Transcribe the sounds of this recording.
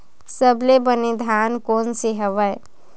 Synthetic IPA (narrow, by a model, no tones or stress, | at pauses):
səblebəned̪ʱaːnkoːnseɦəʋəe